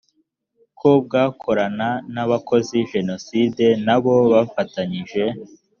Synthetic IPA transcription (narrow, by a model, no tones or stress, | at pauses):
kʰob̚ɡaːkʰo̞ɾananaβakʰo̞ziʒe̞no̞side̞naβo̞βafataɲiʒe̞